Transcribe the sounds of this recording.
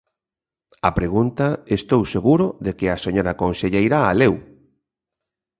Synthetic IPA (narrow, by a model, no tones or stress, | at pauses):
ɐpɾeɣunt̪ɐest̪owseɣuɾʊðekɪaseɲoɾakonseʎejɾaːlew